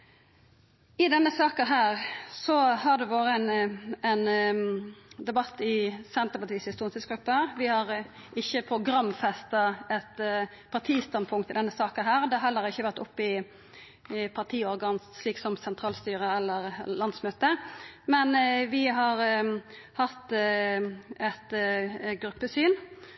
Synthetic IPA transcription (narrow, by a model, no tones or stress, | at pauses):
ɪd̪ɛnːəsɑːkəɦæːʁsɔhɑɖ̪ɛʋoːɾəɛnɛn | d̪ɛbɑt̪ːɪsɛnt̪əɾpɑt̪ʰiːshɪst̪uːnsɪsɡɾʉpːɑʋɪhɑɾ | ʔɪçːəpʰɾʊɡɾɑmːfɛst̪ɑɛt̪ | pʰɑʁt̪ʰiːst̪ɑnpʰʊŋkt̪ɪld̪ɛnːəsɑːkənɦæːʁd̪ɛhɛlːəɾɪçːəʋæʁt̪ʊpːɪ | pʰɑʁt̪ʰiːɔɾɡɑːnsɭiːksɔmsɛnt̪ʰɾɑːlst̪yːɾəɛlːəʁlɑnd̪smøːt̪əmɛnʋɪɦɑɾ | hɑt̪ | ɛt̪ɡɾʉpːəsyːn